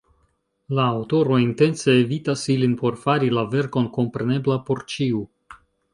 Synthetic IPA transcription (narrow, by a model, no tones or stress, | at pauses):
laːwto̞ɾo̞inte̞nse̞ːvitasilinpo̞ɾfaɾilave̞ɾko̞nko̞mpɾe̞ne̞blapo̞ɾt͡ʃiu